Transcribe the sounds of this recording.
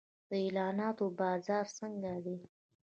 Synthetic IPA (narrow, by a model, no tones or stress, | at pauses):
d̪̥əelɑnɑt̪obɑzɑɾsəŋɡad̪i